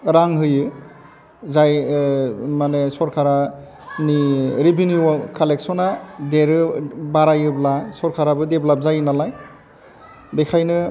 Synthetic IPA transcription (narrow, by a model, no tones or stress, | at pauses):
ɾaŋɦɯjɯ | zaj | manesɔɾkʰaɾa | niɾibiniɔkʰaleksɔnadeɾɯbaɾajɯblasɔɾkʰaɾabɯdeblap̚zajɯnalaj | bekʰajnɯ